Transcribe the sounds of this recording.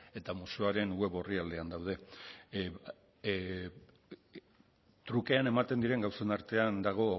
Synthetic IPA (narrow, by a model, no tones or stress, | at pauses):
e̞t̪amusuaɾe̞nue̞βo̞riald̪e̞and̪awð̞e̞ | t̪ɾuke̞ane̞mat̪e̞nd̪iɾe̞ŋɡawse̞naɾt̪e̞and̪aɣ̞o̞